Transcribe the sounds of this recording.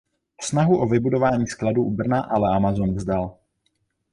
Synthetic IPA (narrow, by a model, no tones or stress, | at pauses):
snaɦuʔovɪbudo̞vaːɲiːskladuːʔubr̩naʔalɛamazonvzdal